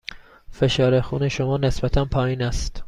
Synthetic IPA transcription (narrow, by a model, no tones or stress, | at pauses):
fe̞ʃɒːɾexuːneʃomɒːne̞sbæt̪ʰænpʰɒːjiːnæst̪